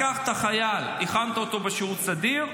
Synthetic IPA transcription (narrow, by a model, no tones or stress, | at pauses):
aχt̪aχajaliχant̪aot̪o̞beʃeʁut̪sad̪iʁ